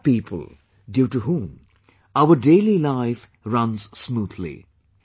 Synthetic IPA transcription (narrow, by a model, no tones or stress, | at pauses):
piːpʰə̰l̩ˠ | djuːʈuɦũm | aʊəɖeːlilaɪf | ɾʌ̃nzsmuːd̪lḭ